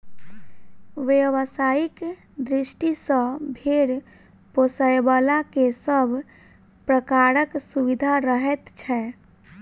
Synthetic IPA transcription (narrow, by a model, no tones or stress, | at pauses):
ʋeʋəsajik | d̪ɾisʈisə̃bʱeɽ | posəjbalakesəbʱ | pɾəkaɾəksuβid̪ʱaɾəɦɛt̪t͡ʃʰɛ